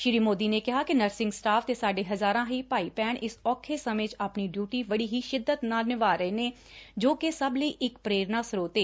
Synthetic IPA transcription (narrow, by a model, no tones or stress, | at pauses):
ʃɪɾiːmoːd̪iːneːkɪɦaːkɪnəɾsɪ̃ŋɡsʈaːft̪eːsaːɖeːɦəzaːɾãːɦiːpaːiːpɛːɳʔɪsɔːkʰeːsəmeːt͡ʃaːpniːɖjuːʈiːʋəɽiːɦiːʃɪd̪ːət̪naːlnɪʋaːɾəeːneː | d͡ʒoːkesəbliːʔɪkpɾeːɾnaːsɾoːt̪eː